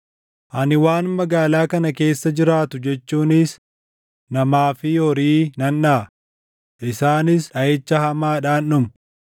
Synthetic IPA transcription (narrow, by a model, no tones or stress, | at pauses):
ʔɐnɪwaːnmɐɡaːlaːkɐnɐke̞ːsːɐd͡ʒɪɾaːt̪ʊd͡ʒɛt͡ʃːuːnɪs | nɐmaːfɪjɔɾiːnɐnːaː | ʔɪsaːnɪsɐɛt͡ʃːɐhɐmaːᶑaːnːʊm